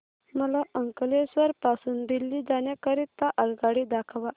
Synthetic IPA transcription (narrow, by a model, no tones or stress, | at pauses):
məlaəŋkəlesəɾpasund̪ilːid̪anjakəɾit̪ːaʔəlɡaɽid̪akʰaʋa